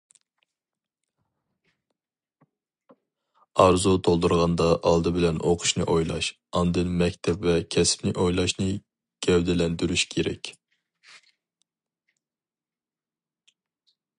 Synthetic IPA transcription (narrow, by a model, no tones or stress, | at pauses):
ɑɾzut̪ʰolˠd̪uɾʁɑnd̪ɑʔɑ̰lˠd̪ɨbɪlɛnʔoqʰʊ̥ʃnɨ̰ʔojlˠɑ̰ʃ | ɑnd̪ɨnmɛkʲt̪ʰɛpvɛkʲʰɛspnɪʔojlˠɑʃnɨ | ɡ̥ʲɛwd̪ɪlɛnd̪yɾyʃkʲʰeɾɛ̰kʲ